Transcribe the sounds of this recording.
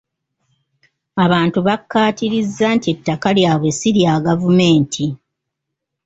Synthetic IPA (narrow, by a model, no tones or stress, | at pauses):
aβaːntuβakːaːtiɾizːantie̞tːakaljaːβwe̞siɾjaːɡavume̞ːntʰi